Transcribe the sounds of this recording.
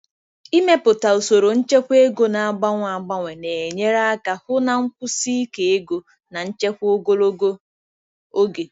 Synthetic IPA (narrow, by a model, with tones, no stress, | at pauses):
i˦me˦pʊ˨ta˨o˨so˨ɾo˨n̩˦t͡ʃe˦kʷe˦ɡo˨na˨a˨ɡ͡ba˦ŋʷ˨a˨ɡ͡ba˦ŋʷe˨ne˨e˨ɲe˦ɾa˦ka˨hʊ˦na˨ŋ̩˦kʷʊ˦si˦i˦ke˨e˦ɡo˨ | na˨n̩˦t͡ʃe˦kʷo˦ɡo˦lo˦ɡo˦ | o˦ɡe˨